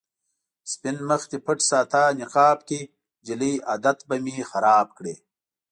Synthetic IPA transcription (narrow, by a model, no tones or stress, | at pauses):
spinməxt̪ipʰəʈsaːt̪aːniqɑːb̚ki | d͡ʒilijad̪at̪bɐmixaɾaːb̚kɽe